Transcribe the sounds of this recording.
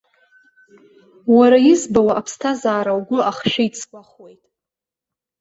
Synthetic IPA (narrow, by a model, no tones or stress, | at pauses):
waɾajɪzbawaʔapʰstʰazaːɾawɡʷʊaχʃᶣait͡sʰkʷʼaχwe̞jtʼ